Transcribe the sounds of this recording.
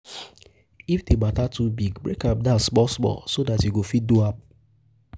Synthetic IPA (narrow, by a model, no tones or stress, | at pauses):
ifdematatubiɡbɾekap̚dask͡pɔsmɔ̰sodatiɡofiduap̚